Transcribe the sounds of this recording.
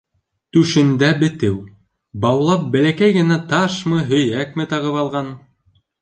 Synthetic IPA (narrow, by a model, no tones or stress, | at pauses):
t̪ʉʃɘ̆nd̪æbɘ̆t̪ɘw | bɑwlˠɑp̚bælækæjɡɘ̆næt̪ɑʃmɤɦɵ̆jækmɘ̆t̪ɑʁɤ̆βɑlˠʁɑn